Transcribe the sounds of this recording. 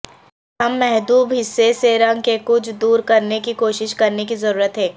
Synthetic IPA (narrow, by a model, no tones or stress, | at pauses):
ɦɐmːɛɦd̪uːbɦɪsːeseɾɐ̃ŋɡ̚kekʊt͡ʃʰd̪uːɾkɐɾnekikoːʃɪʃkɐɾnekizɐɾuːɾət̪ɦɛ̃ː